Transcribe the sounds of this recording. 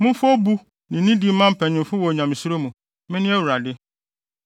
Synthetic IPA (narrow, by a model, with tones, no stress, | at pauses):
mʊ̃˦fʊ˦ɔ˦bu˦ | nɪ̃˨nĩ˦di˨˦mã˦m̩˦pʰɛ˨ɲɪ̃˨mfʊ˦wɔ˨ɲã˨m̃˨su˦ɾo˦mũ˨ | mɪ̃˦nɪ̃˦æ˦wu˨ɾa˨dɪ˦